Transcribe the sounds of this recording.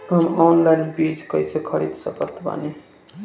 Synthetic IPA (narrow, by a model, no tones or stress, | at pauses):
ɦəmɔnlanbid͡ʒkəjsekʰəɾḭd̪səpəɾt̪ʰba̰ni